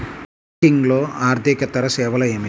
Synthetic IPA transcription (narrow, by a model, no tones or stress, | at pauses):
iŋɡlo̞ːaːɾt̪ikɐt̪ɐɾɐsɛːʋɐlɐeːmi